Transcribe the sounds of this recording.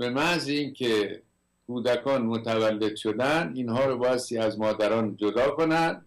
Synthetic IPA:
bemæziiːnkʰe | kʰuːd̪ækʰɒːnmot̪ʰævælːed̪̥ʃod̪ænd̪iːnɦɒːɾɒːbɒːjest̪iːæzmɒːd̪æɾɒːnd͡ʒod̪ɒːkonænd̪̚

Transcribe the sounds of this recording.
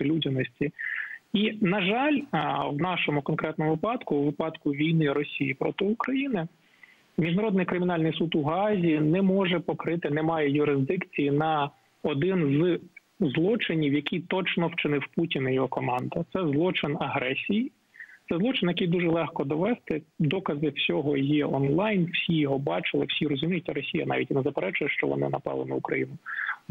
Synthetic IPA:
lʲudʲɐnɔsʲtʲiinɐʒɑlʲwnɑʃɔmʊkɔnkɾɛt̪nɔmʊʋɪpɑd̪kʊʋɪpɑd̪kʊʋʲijnɪɾɔsʲijipɾɔ̰t̪ɪʊkɾɐjinɪ | mʲiʒnɐɾɔd̪nɪjkɾɪmʲinɑlʲnɪjsut̪ʊɦɑzʲinɛmɔʒɛpɔkɾɪt̪ɪnɛmɑjɛjʊɾɪzd̪ɪkt͡sʲijinɐ | ɔd̪ɪnz | zlˠɔt͡ʃɪnʲiwjɐkʲijt̪ɔt͡ʃnɔwt͡ʃɪnɪwputʲinɪjɔɦɔkɔmɑnd̪ɐt̪sɛzlˠɔt͡ʃɪnɐɦɾɛsʲiji | t̪sɛzlˠɔt͡ʃɪnjɐkejd̪uʐɛlˠɛxkɔd̪ɔʋɛst̪ɪd̪ɔkɐzɪwsʲɔɦɔjɛɔnlˠɑjnwsʲijɔɦɔbɑt͡ʃɪlˠɪwsʲirɔzʊmʲijɪtʲːɐɾɔsʲijɐnɑ̰ʋʲitʲnɐzɐpeɾɛt͡ʃʊjɛʃt͡ʃɔ̰ʋɔ̰nɪ̰nɐ̰pɑ̰lˠɪ̰nɐ̰ʊkɾɐ̰jinʊ

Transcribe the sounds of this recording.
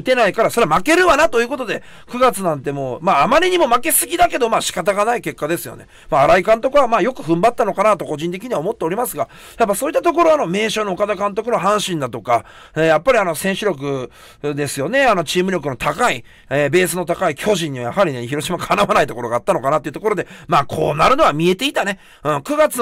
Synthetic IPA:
ɯ̟t̪e̞naikaɾaso̞ɾe̞amake̞ɾɯ̟βanat̪o̞jɯ̟ːko̞t̪o̞d̪e̞ | kɯ̟ɡat͡sɨnãnt̪e̞mo̞ːmaːmaɾʲiɲ̟imo̞make̞sɨɡʲid̪ake̞d̪o̞maːɕi̥kat̪aɡanaike̞kːad̪e̞sɨjo̞̰ne̞ | maːɾaikãnt̪o̞kaβamaːjo̞kɯ̟ɸɯ̟̃mbat̪ːano̞kanat̪o̞ko̞ʑĩnt̪e̞kʲiɲ̟iβaomo̞t̪ːe̞oɾʲimasɨɡa | japːasoːit̪ːat̪ok̬o̞ɾo̞ano̞me̞ːɕoːno̞ːkad̪akãnt̪o̞kɯ̟noɦãɰ̃ɕĩnd̪at̪o̞ka | ejapːaɾʲiano̞sẽɰ̃ɕɨɾʲo̞k̬ɯ̟ | d̪e̞sɨjo̞ne̞ano̞t͡ɕiːmɯ̟ɾʲo̞k̬ɯ̟no̞t̪akai | ebe̞ːsɨnot̪akaikʲʰo̞ːʑĩɲ̟ːiβaja̰haɾʲineçiɾo̞ɕimakʰanaβanait̪o̞ko̞ɾo̞ɡaːt̪ːanokanat̪eɯ̟t̪okoɾo̞d̪e̞maːkʰo̞̰ːnaɾɯ̟no̞amʲie̞t̪e̞it̪ane̞ | ɯ̟̃kɯ̟ɡat͡sɨ

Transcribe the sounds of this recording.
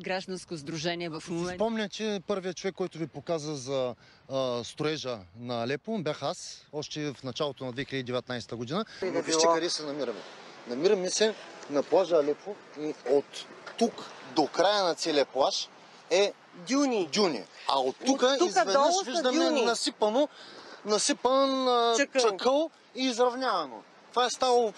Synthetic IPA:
ɡɾaʒd̪ɐnskozd̪ɾuʒɛniɛvɐfmmɛpɔmnʲət͡ʃɛpɤɾvijət͡ʃovɛkːɔjt̪ʊvipokazəzɐ | st̪oɾɛʒənɐːlɛpobjaxasɔʃt̪ɛfnɐt͡ʃalˠot̪onɐd̪vɛxilʲəd̪id̪ɛvɛt̪najsɛ̥t̪əɡod̪inəviʃtɛkɐɾisɛnɐmiɾɐmɛ̰nɐmiɾɐmɛsɛnɐplˠaʒɐɐlɛpo | iot̪ːukd̪okɾajənɐt̪sɛliəplˠaʃ | ɛ | ɡʲunɡʲunḭɐ̰ot̪ːukəuizɛʃviʒd̪ɐmɛnɐsipɐnonɐsipə | t͡ʃɐkʰəlˠ | iːzɾɐvnʲavɐno | t̪ovaɛst̪alˠo

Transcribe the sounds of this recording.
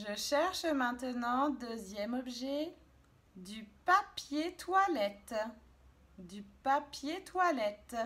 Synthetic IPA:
ʒəʃɛʁʃəmɛ̃t̪ənɑ̃d̪øzjɛmɔbʒɛ | d̪ypapjet̪walɛt̪ | d̪ypapjet̪walɛt̪

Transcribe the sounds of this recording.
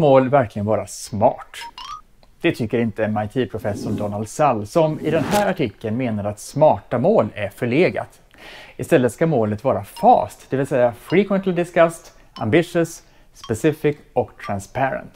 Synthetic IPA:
moːlvæɾklɪɡənvɑːɾasmɑ̰ːʈ | d̪̥ɛt̪ʰʏkːəɾɪnt̪əmaɪt̪ʰiːpʰɾʊfɛsːʊɳd̪ɔnald̪salːsɔmɪd̪ɛnɦæːɾaʈʰɪkʰːənmeːnaɾat̪smɑːʈamoːlæɾfœɭeːɡa̰t̪ | ɪst̪ɛlːət̪skamoːlət̪vɑːɾafɑ̰ːst̪d̪̥ɛvɪlsɛjːafɾiːkʰwɛnt̪l̩d̪ɪsɡast̪ | ʔa̰mbɪʂɵsː | pɛsɪfɪk | ɔkt̪ʰɾanspʰæɾə̰nt̪

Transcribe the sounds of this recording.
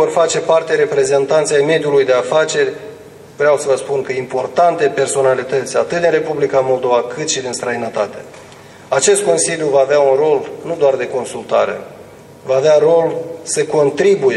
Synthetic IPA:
vo̞rfat͡ʃe̞part̪e̞ɾe̞pɾe̞ze̞nt̪ant̪sʲajme̞d̪iulujd̪e̞afat͡ʃe̞rʲ | vɾeawsəvəspunkəimpo̞rt̪ant̪e̞pe̞rso̞nalit̪ət̪sʲat̪ɨt̪d̪inre̞publikamold̪o̞vakʰɨt̪ʃid̪inst̪ɾəinət̪at̪e̞ | at͡ʃe̞st̪̚ko̞nsiljuvaːveaunro̞lnud̪oard̪e̞ko̞nsult̪aɾe̞̰ | vaːvearo̞lsəko̞nt̪ɾibuje

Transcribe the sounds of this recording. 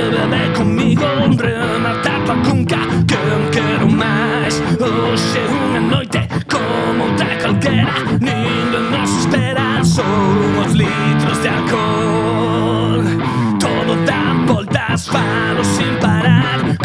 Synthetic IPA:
βeβeɾkõmiɣʊ̃ɾe | mat̪aɾpakũŋkɐkenɐ̃w̃kɛɾʊma | jso | ʃeuŋɐnojt̪e | ko | mõt̪ɛkwalkɛɾɐ | nĩ | ŋd̪onɐ̃sɪ̥spɛɾasoʊzlit̪ɾʊzðɪako | ɾ | t̪oðʊt̪abɔlt̪ɐspa | ɾʊsẽpaɾaɾ

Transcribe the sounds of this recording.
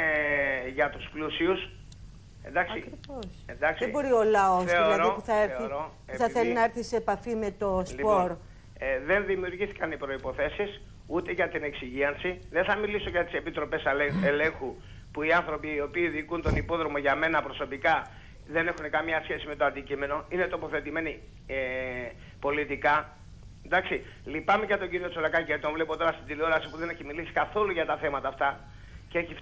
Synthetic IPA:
ʝɐt̪u̥splusius | ḛnd̪ɐksikiosend̪ɐksðeibo̞ɾiolɐosθseolɐɾopuθɐeɾeθoiɾo | eθɐθelinɐeɾθiseːpɐfime̞t̪o̞spoɾ | ðe̞nðimiuɾʝiθikɐnipɾo̞ipo̞θe̞sis | ut̪e̞ʝɐt̪ine̞ksiʝiɐnsiðe̞θɐmiliso̞ʝɐt̪i̥se̞pit̪ɾo̞pe̞sele̞ŋxu | puiɐnθɾo̞piːo̞piːðikunt̪o̞nipo̞ðɾo̞mo̞ʝɐme̞nɐpɾo̞so̞pikɐ | ðe̞ne̞xunekɐmɲɐsçe̞sime̞t̪oɐnd̪icime̞no̞ine̞t̪o̞po̞θe̞t̪ime̞ni | e | po̞lit̪ikɐ | d̪ɐksi | lipɐmeʝɐt̪o̞ɲɟiɾio̞t͡solɐkɐɡet̪oɱvle̞po̞t̪o̞ɾɐst̪ind̪ilio̞ɾɐsi̥puðe̞ne̞çimilisi̥kɐθo̞luʝɐt̪ɐθe̞mɐt̪ɐːft̪ɐ | ceeçif

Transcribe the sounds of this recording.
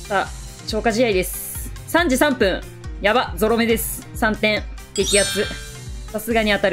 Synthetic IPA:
sa | ɕo̞ːkaʑijaid̪e̞sɨ̥ | sãɲ̟d͡ʑisãmpɯ̟̃ɰ | jabazo̞ɾo̞med̪e̞sɨ̥ | sãnt̪ẽ̞ɰ̃ɡ̥e̞kʲiat͡sɨ | sasɨɡaɲ̟iat̪aɾ

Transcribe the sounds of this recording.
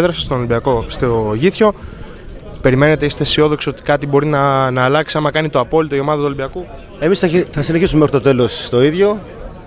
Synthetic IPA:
ðɾɐfsest̪onɐlibiɐko̞st̪oʝiθço̞ | pe̞ɾime̞ne̞t̪e̞ist̪e̞sio̞ðo̞ksio̞t̪i̥kɐt̪ibo̞ɾinɐnɐːlɐksiɐmɐkɐnit̪oɐpo̞lit̪oomɐt̪ɐt̪uɐlibiɐku | e̞misɐθɐsineçisumeexɾit̪ot̪e̞lo̞st̪o̞iðʝo

